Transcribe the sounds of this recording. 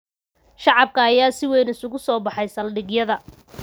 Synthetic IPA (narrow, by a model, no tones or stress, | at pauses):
ʃɑʕɑb̚kʰɐːjaːsɪwɛjnɪsʊɣʊsɔːbɑħɑjsɐlɖɪɡjɐðɐ